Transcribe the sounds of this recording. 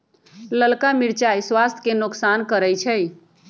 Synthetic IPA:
ləlkamiɽt͡ʃajswast̪ʰkenoksankəɾɛjt͡ʃʰɛj

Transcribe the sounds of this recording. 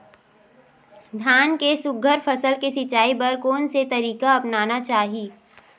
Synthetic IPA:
d̪ʱjaːnkesʊɡʱəɾfɐsəlkesɪt͡ʃːaːipɐɾkoːnset̪ɐɾiːkaɐpnaːnat͡ʃaːɦiː

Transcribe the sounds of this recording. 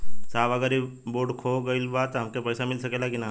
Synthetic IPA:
saːʋɐɡəɾiboːɖkʰoːɡɐilbat̪ɦɐmkepɛːsamɪlsɐkelakinaː

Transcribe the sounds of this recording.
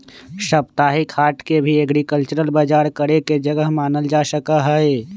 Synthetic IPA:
ʃəpt̪aːɦikʰhaːʈkebʱiɐɡɾikəlt͡ʃəɾəlbaːd͡ʒaːɾkəɾeked͡ʒəɡəɦmaːnəld͡ʒasəkaɦəe

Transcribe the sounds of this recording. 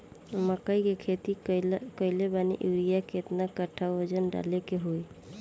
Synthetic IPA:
məkəikekʰet̪ikəɪlebanḭʔuwɾijaket̪nakəʈʰawʋəd͡ʒənɖa̰lekeɦoj

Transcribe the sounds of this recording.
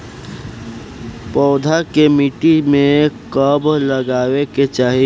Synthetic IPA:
pɔːd̪ʱakemiʈimẽkəbləɡaːweket͡ʃaːɦi

